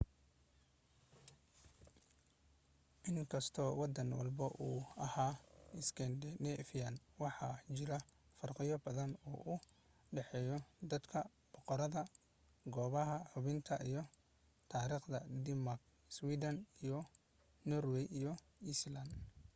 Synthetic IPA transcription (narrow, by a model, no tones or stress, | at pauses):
ʔɪŋkʰɐst̪ʰɔːwɑd̪ɐnwɑ̰lbɐʔuːɐhaːɪskʰɛnd̪ɛnɛfjanwɑħɑt͡ʃɪɾɐfɐrqɪjɔbɐðɐnɔ̰ːʔʊ | ɖɛħɛːjɔd̪ɐd̪kʰɐ | b̥ɔqɔɾɐðɐ | ɡɔːβɐɦɐħʊβɪnt̪ʰɐʔijɔ | t̪ʰaːɾiːχd̪ɐd̪ɪmark | swiːd̪ɐnijɔ | nɔrwɛjijɔ | island̪